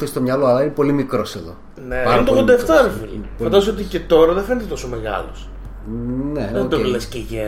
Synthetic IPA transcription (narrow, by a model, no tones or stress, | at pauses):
est̪o̞mɲɐlo̞ɐlɐinepo̞limikɾo̞se̞ðo̞̰ | nepɐɾɐnt̪oɣðod̪ɐeft̪ɐɾɐfinfoɐnd̪ɐzsot̪icet̪o̞ɾɐðefenet̪et̪osomeɣɐ̰los | ned̪olesceʝe